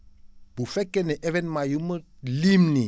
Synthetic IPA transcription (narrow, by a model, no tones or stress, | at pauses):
b̥ʊfɛkʼɛnɛʔɛvɛnmajumlim̩ni